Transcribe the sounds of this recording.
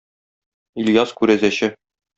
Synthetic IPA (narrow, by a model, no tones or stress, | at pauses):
ilʲjɑskʉɾæzæɕɘ